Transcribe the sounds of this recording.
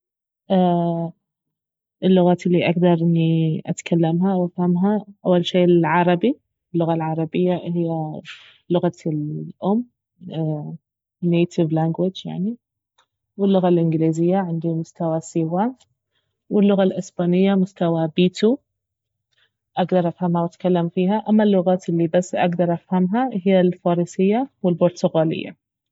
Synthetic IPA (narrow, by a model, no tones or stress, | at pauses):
ʔa | ʔɪlːʊɣaːt̪ʔɪlːiʔaɡd̪ɑɾˤʔɪnːiʔa̰t̪kʰalːamɦawʔafhamɦaʔawːalʃeːʔɪlʕɑɾˤɑbi | ɪlːʊɣalʕɑɾˤɑbɪjːahɪjːa | lʊɣalʔʊmː | nːeːt̪ʰɪvlaːŋɡwɪd͡ʒja̰ʕni | wɪlːʊɣalʔɪnɡliːzɪjːaʕɪnd̪imʊst̪awasiːwa | wɪlːʊɣalʔɪsbaːnɪjːamʊst̪awabiːt̪u | ʔaɡd̪ɑɾˤʔafhamhawʔat̪kalːamfiːɦaʔamːalːʊɣaːt̪ɪlːibasːʔa̰ɡd̪ɑɾˤʔafhamɦahɪjːalfɑːɾiːsɪjːawɪlbʊɾˤt̪ʊɣaːlɪ̰jːa̰